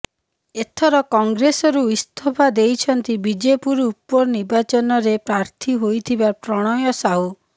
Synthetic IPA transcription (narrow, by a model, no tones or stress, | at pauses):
et̪ʰɔɾɔkɔŋɡɾesɔɾuist̪ʰɔbʱad̪ejt͡ʃʰɔnt̪ibid͡ʒepuɾupːɔɾniɾbat͡ʃɔnɔɾepɾaɾt̪ʰiɦojt̪ʰibapɾɔɽ̃ɔjɔsau